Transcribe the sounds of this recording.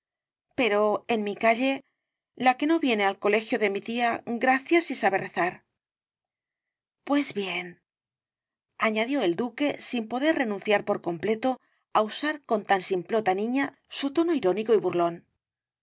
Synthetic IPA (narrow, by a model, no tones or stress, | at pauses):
pe̞ɾo̞enmikaʎe̞ | lake̞no̞βje̞nealko̞le̞xjo̞ðe̞mit̪iaɡɾaθjasisaβe̞re̞θaɾ | pwe̞zβje̞n | aɲaðjo̞e̞ld̪uke̞simpo̞ðe̞ɾre̞nũnθjaɾpo̞ɾko̞mple̞t̪o̞ | ausaɾko̞nt̪ansimplo̞t̪anĩɲa | sut̪o̞no̞iɾo̞niko̞iβuɾlo̞n